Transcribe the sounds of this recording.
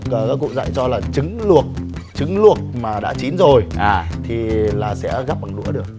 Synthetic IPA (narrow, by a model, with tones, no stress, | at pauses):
ə˨˩kaː˨˦kːṵ˧˨za̰ː˧˨jt͡ɕɔ˧laː˨˩t͡ɕɨ˨˦ŋlu˨˩ət̚ | t͡ɕɨ˨˦ŋlu˨˩ət̚maː˨˩ɗa̰ː˧˥t͡ɕi˨˦nzo˨˩jʔaː˨˩t̪ʰi˨˩laː˨˩sɛ̰˧˥ɣaː˦˥p̚ɓa˨˩ŋɗṵ˧˥əɗɨ˨˩ək̚